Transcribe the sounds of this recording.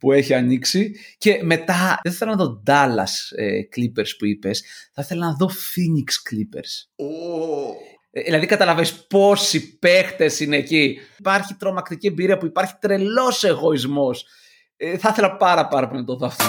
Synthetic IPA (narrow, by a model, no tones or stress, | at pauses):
pue̞çiɐniksice̞me̞t̪ɐθɐθelɐnɐðo̞d̪ɐlɐ̰sḛklipeɾspuipesθɐθe̞lɐnɐðo̞finiksklipe̞̰ɾso | ðilɐðikɐt̪ɐlɐvespo̞sipe̞xt̪e̞sineːcipɐɾçit̪ɾo̞mɐkt̪icie̞mbiɾiɐpuipɐɾçi̥t̪ɾe̞lo̞se̞ɣo̞izmo̞s | eθɐθe̞lɐpɐɾɐpɐɾɐponɐt̪oðoɐft̪o